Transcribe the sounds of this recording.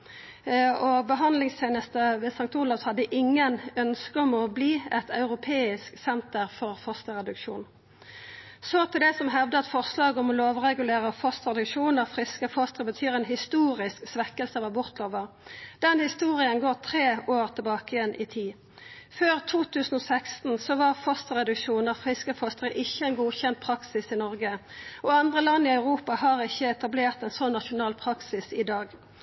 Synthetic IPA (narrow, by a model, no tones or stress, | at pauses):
ɔbəɦɑnd̪lɪŋst̪ʰeːnəst̪əʋesɑŋt̪ʊlɑʋshɑd̪ːəʔɪŋːənœnskəɔmɔbliːɛt̪ʰɑʉʁʊpʰeːɪsksɛnt̪əʁfɔʁfɔst̪əʁɛd̪ʉkʃṵːn | soːt̪ʰɪld̪ɛsɔmɦɛʋd̪əɑt̪fɔʁslɑːɡɔmɔloːʋʁɛɡʉleːʁəfɔst̪ʁɛd̪ʉkʃuːnəʁfʁɪskəfɔst̪ʁəbət̪ʰyːɾɛːnɦɪst̪uːʁɪsksʋɛkːəlsəʋɑbʊʁt̪loːʋəʁ | d̪̥ɛnhɪst̪uːʁɪənɡoːt̪ʰʁeːoːʁt̪ʰɪlbɑːkəjɛnʔɪt̪ʰiː | føːʁt̪ʰuːt̪ʰʉːsən̩ɔsækst̪n̩sɔʋɑʁfɔst̪ʁɛd̪ʉkʃuːnəʁfʁɪskəfɔst̪əʁəʔɪçːəɛːnɡuːçɛnt̪̚pʰʁɑksɪsɪnɔʁɡəɔɑnd̪ʁəlɑnːiɑʉʁuːpɑhɑːʁɪçːəɛt̪ɑbleːʁt̪ɛnsɔnːɑʃʊnɑːlpʰʁɑksɪsɪd̪ɑːɡ